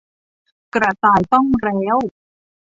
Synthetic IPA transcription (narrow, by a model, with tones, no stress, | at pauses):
kɾa˧˩t̪aː˨˩jt̪ɔ˥˩ŋɾɛː˦˥w